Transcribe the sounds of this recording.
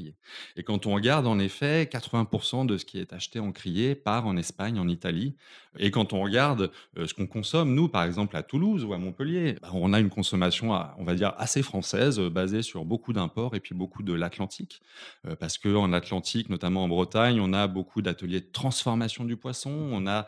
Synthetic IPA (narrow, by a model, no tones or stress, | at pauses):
ijeekɑ̃t̪ɔ̃ʁəɡaʁd̪ɑ̃nefɛkat̪χəvɛ̃puʁsɑ̃d̪əsə̥kʲʰiɛt̪aʃt̪eɑ̃kχijepaʁɑ̃nɛspaɲɑ̃nit̪aliekɑ̃t̪ɔ̃ʁəɡaʁd̪øsə̥kɔ̃kɔ̃sɔmnupaʁɛɡzɑ̃plat̪uluzuamɔ̃pəljebaɔ̃naynkɔ̃sɔmasjɔ̃a̰ɔ̰̃vad̪iʁa̰sefχɑ̃sɛzøbazesyʁbokud̪ɛ̃pɔʁepɥibokʰud̪əlat̪lɑ̃t̪ʰik | øpaʁsə̥kəɑ̃nat̪lɑ̃t̪ʰiknɔt̪amɑ̃ɑ̃bʁət̪aɲɔ̃nabokʰud̪at̪əljed̪ət̪χɑ̃sfɔʁmasjɔ̃d̪ypwasɔ̃ɔ̃na